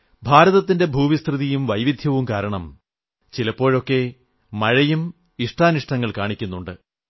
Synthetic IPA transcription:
bʱaːɾɐðɐt̪̬ːinde̞bʱuːʋist̪rɨðijumʋɐjʋid̪ʱjɐʋumkaːɾɐɳɐm | t͡ɕilɐpːo̞ːɻo̞kːe̞ | mɐɻɐjum | iʂʈʰaːniʂʈɐŋːɐɭkaːɳikʲːunːuɳɖɨ

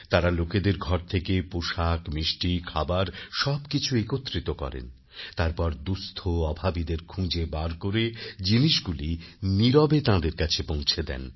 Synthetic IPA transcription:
t̪aɾaloked̪eɾɡʱɔɾt̪ʰekepoʃakmɾiʃʈikʰabaɾʃɔbkit͡ɕʰuekot̪ːɾit̪okɔ̰ɾḛn | t̪aɾpɔɾd̪ust̪ʰoɔbʱabid̪eɾkʰũd͡ʑebaɾkoɾed͡ʑiniʃɡuliniɾɔbet̪ãd̪eɾkat͡ɕʰepõw̃t͡ɕʰed̪ɛ̰n

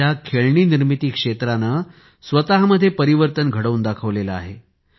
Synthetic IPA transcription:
akʰeɭɳiːniɾmit̪iːkʂet̪ɾanə | sʋət̪aɦaməd̪ʱːjepəɾiʋəɾt̪ənɡʱəɽəuːnd̪akʰəʋlelaaɦe

